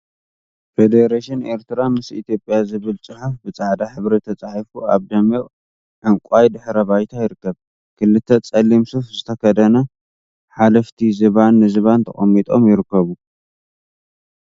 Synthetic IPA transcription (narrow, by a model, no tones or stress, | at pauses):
fed̪eɾaʃine̞ɾt̪ʰɨɾamɨsit̪ʰjopʼjazɨβɨlt͡sʼɨħufbɨt͡sʼaʕd̪aħɨβɾet̪ʰɐt͡sʼaħifuaβd̪ɐme | ʔɨŋkʷʼajd̪ɨħɾɐβajt̪ʰajɪɾɨkːɐβ | kʰɨlːɨt̪ʰːɐt͡sʼɐlimsufzɨt̪ʰɐkʰɐd̪ɐnɐ | ħalɐft̪ʰizɨβanːɨzɨβant̪ʰɐ̰χʼɐmːit̪ʼo̞mjɪɾɨkːɐβu